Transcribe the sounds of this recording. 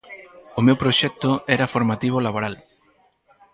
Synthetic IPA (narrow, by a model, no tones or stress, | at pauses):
ʊmewpɾoʃɛk̚t̪ʊɛɾafoɾmat̪iβ̞ʊlaβoɾal